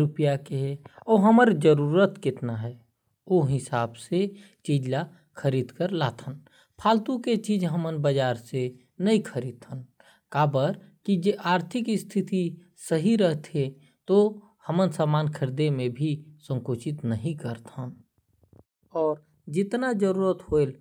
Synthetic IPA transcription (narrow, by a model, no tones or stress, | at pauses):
ɾʊpjakeɦɛɔːɦəməɾd͡ʒəɾuːɾət̪kɪt̪naɦɛː | oɦɪsaːbse | t͡ʃiːd͡ʒla | kʰəɾiːd̪kəɾla̰ːt̪ʰən | pʰaːlt̪ũket͡ʃiːd͡ʒɦəmənbəd͡ʒaːɾse | nəɦĩkʰəɾiːd̪̚ʰən | kaːbəɾ | kid͡ʒeʔaːɾt̪ʰɪkɪst̪ʰɪt̪i | səɦiɾəɦt̪ʰẽ | t̪o | həmənsaːmaːnkʰəɾd̪emẽbʱisə̃ŋkoːt͡ʃɪt̪nəɦĩkəɾt̪ʰən | ɔːɾ | d͡ʒɪt̪nad͡ʒəɾuːɾət̪hoɪl